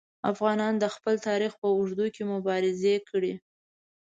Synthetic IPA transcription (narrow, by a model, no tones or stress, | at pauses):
a̰fɣɑnɑnd̪əxpəlt̪ɑɾixpəʊʐd̪ukemʊbɑɾɪzekʰɽi